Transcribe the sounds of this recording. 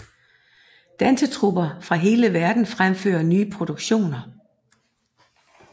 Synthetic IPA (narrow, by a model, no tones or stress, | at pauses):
d̥ænsət͡sʰʁubɐfʁɑ̈ɦe̝ːləʋæɐd̥n̩fʁamfø̰ːɐnyːəpʰʁo̝d̥uɡ̥ɕo̝̰ːnɐ